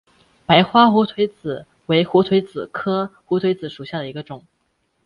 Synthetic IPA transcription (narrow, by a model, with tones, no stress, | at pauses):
pa˧˥ɪxwa˥xu˧˥t̪ʰwe˧˥ɪt͡sɹ̩˨˩ | we˧˥ɪxu˧˥t̪ʰwe˧˥ɪt͡sɹ̩˨˩kʰɤ˥xu˧˥t̪ʰwe˧˥ɪt͡sɹ̩˨˩ʂu˨˩ɕja˥˩d̪ə˩i˧˥ɡə˧ʈ͡ʂʊ˨˩˦ŋ